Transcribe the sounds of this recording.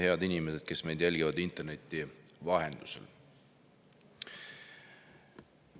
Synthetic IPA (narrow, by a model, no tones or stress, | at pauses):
he̞ɑd̪inimesed̪̥̚ke̞sme̞jd̪̥jælɡ̥ivɑd̪int̪ːˑe̞rne̞t̪ːˑivɑɦe̞nd̪̥usḛl